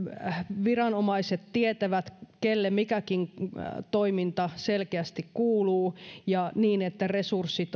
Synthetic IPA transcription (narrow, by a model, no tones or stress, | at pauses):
ʋirɑnomɑiset̪tiet̪æʋæt̪kelːemikækiŋt̪oimint̪ɑselkeæst̪ikkuːluːjɑniːnet̪ːæresursːit̪